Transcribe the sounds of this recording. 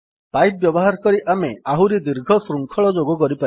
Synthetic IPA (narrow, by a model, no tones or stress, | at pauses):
pajp̚bjɔbɔɦaɾkɔɾiʔameaɦuɾid̪iɾɡʱɔsɾuŋkʰɔɭɔd͡ʒoɡɔkɔɾipai